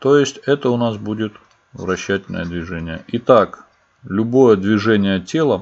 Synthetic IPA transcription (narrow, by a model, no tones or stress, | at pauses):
t̪o̞jɪsʲtʲɛt̪əʊnas̬budʲɪt̪ | vɾɐɕːætʲɪlʲnə̰jəd̪vʲɪʐɛnʲɪjəʔɪt̪ak | lʲʊbo̞jəd̪vʲɪʐɛnʲɪjətʲe̞lˠə